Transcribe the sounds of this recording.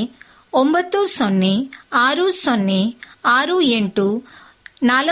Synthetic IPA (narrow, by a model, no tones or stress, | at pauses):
ombɐt̪ːusonːiaːɾusonːiaːɾueɳʈu | naːlɐ